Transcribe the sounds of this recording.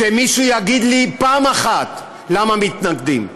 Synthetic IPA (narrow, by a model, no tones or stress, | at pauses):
emiʃujaɡid̪lipaːmaχat̪ | lamamit̪naɡd̪im